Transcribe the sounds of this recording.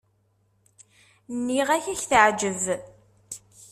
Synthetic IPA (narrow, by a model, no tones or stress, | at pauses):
nːiʁæçæçθəʕd͡ʒəz